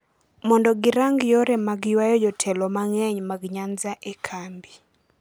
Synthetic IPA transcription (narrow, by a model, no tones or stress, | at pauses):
mɔndɔɡɪɾaŋɡjɔɾɛmaɡjwajɔd͡ʒɔtʰɛlɔmaŋɛɲmaɡɲanzaʔekʰambi